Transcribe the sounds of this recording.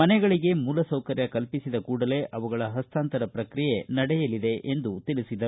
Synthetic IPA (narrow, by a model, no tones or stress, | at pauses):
ɐnɛɡɐɭiɡe̞muːlɐsɐwkɐɾjɐkɐlpisid̪ɐkuːɽɐle̞ːʔɐʋɐɡɐɭɐɦɐst̪ʰaːnt̪ɐɾɐpɾɐkɾije̞nɐɽɛjɐlid̪e̞ʔend̪ut̪iɭisid̪ɐ